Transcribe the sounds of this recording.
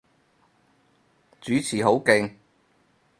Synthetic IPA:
t͡syː˨˥t͡sʰiː˨˩ɦo˨˥wkɪ˧ŋ

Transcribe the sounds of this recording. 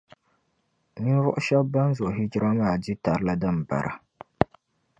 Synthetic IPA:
ni˦vʊ˦ʔʊ˦ʃɛ˦b̚ba˦n˦zʊ˨ʔɦi˦d͡ʒi˦ɾa˦maː˦˨di˦ta˨ɾɨ˦la˦dɨ˦m˨ba̰˨ɾʔa̰˨

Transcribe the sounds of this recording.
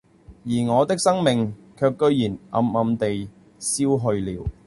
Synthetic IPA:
jiː˨˩ŋɔː˨˧t̪ɪ˥k̚sɐ˥ŋmɪ˨ŋkʰœː˧kːɵ˧ɥjiː˨˩nʔɐ̰˧mɐ˨˧mt̪e˨j | siː˥wɦɵ˧ɥliː˨w

